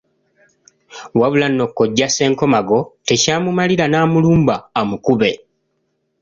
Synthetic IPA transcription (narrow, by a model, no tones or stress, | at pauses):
waβulanːo̞kːo̞ɟːase̞ːŋko̞maɡo̞te̞caːmumaliɾanaːmuluːmbaːmukuβe̞